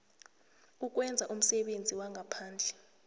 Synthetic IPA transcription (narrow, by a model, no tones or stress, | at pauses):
uk̬ʼwɛnd͡zʱaʔum̩sɛɓend͡zʱiwaŋʱapʰaːnd͡ɮʱɛ